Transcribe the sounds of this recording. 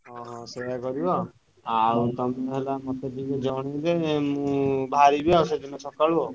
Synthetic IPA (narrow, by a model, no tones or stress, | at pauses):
ɦɔ̃ɦɔ̃seɦakɔɾibɔ | awt̪ɔmeɦelamɔt̪ed̪iked͡ʒɔɽ̃idemũbʱaɾibiawsed͡ʒʱɔnɔsɔkaɭubɔ